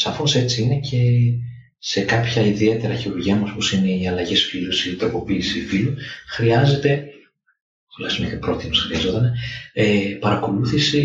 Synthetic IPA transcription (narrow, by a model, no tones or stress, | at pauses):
sɐfose̞t͡siine̞cʰe̞ | se̞kɐpçɐiðie̞t̪e̞ɾɐçiɾuɾʝiɐmooposine̞iɐlɐʝesfilusit̪ɾopo̞piːsifiluxɾiɐze̞t̪e̞ | xlɐ̰sumet̪epɾo̞t̪inosxɾiɐzo̞t̪ɐneepɐɾɐko̞luθisi